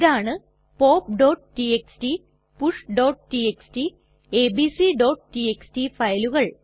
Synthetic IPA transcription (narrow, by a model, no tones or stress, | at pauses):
ðaːɳɨ | po̞ːp̚ɖoːʈʈieksʈi | puʂɖoːʈʈieksʈi | eːbisiɖoːʈʈieksʈifɐjluɣɐɭ